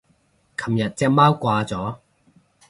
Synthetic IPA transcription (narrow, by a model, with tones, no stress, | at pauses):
kʰɐ˨˩mjɐ˨t̚t͡sɛː˥k̚maː˥wkʷaː˧t͡sɔː˨˥